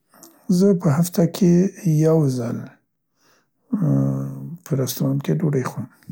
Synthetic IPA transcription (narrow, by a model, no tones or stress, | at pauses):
zəpəɦaft̪akʰejawzəl | pʰəɾast̪ɾɑmkedoɽajxwəm